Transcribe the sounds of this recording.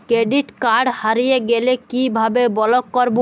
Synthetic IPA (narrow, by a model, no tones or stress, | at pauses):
kɾeɖiʈkaɾɖhaɾijeɡelekibʱabebɔlokːɔɾbo